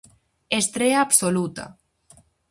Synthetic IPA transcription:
est̪ɾeaːpsolut̪a̰

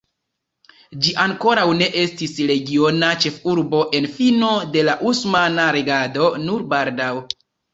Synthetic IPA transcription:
d͡ʒiʔaŋko̞ɾawne̞ʔe̞stisɾe̞ɡio̞nat͡ʃe̞fuɾbo̞ʔe̞nfino̞de̞laʔusmanaɾe̞ɡado̞nuɾbaldaw

